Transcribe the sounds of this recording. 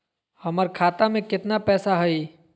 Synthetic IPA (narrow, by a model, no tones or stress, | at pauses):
hɐməɾkʰaːt̪amẽkɪt̪napɛːsaɦɐi